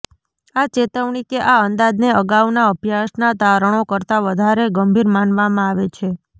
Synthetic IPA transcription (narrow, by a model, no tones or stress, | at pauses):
at͡ʃet̪əʋɳikeʔaənd̪ad̪neəɡaʋnaəbʱjaʃnat̪aɾəɳ̃okəɾt̪aʋəd̪ʱaɾeɡəmbʱiɾmanʋamãaʋet͡ʃʰe